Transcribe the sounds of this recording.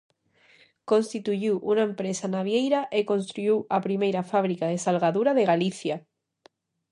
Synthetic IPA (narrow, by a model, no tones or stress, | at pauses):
konst̪it̪uʝiwʔunaempɾesanaβjejɾaʔekõnst̪ɾujiwapɾimejɾafaβ̞ɾikaðesalɣaðuɾaðeɣaliθja